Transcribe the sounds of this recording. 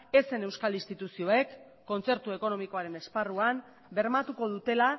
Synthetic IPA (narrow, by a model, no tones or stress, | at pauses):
e̞se̞ne̞wskalist̪it̪usio̞e̞kː | o̞nt͡se̞ɾt̪ue̞ko̞no̞miko̞aɾe̞ne̞sparuam | be̞ɾmat̪uko̞ð̞ut̪e̞la